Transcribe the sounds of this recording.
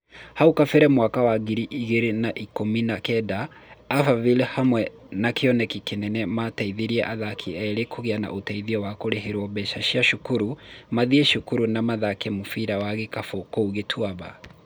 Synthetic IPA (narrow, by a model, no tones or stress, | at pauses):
haukafɛɾɛmwakawaɣiɾiʔiɣeɾenaʔikominakɛdaːfavilehamwɛ | nakeɔnɛkikenɛnɛmataiðeɾiɛʔaðakʰiɛɾekʰoɣeana̰ʔotaiðiɔwakoɾeɦeɾwɔbɛʃaʃiaʃukuɾumaðiɛʃukuɾunamaðakɛmofiɾawaɣekafokouɣetʰwaβa̰